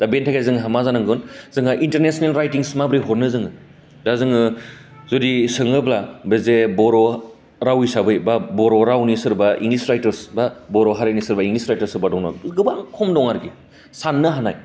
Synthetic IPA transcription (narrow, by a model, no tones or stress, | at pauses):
d̥abentʰaɡazɯŋɦamazanaŋɡɯnzɯŋaʔinteɾnesɔnelɾajtiŋsmabɾiɦɔɾnɯzɯŋɯ | dazɯŋɯzodisɯŋɯblabezebɔɾɔ | ɾawisabɯjbabɔɾɔɾawnisɯɾbaḭŋlisɾajtɯɾsbabɔɾɔɦaɾanisɯɾbaiŋɡlisɾajtɐɾsɯbadɔŋnɔ̰ɡɯbaŋkʰɔmdɔŋaɾɡi | sanːɯɦanaj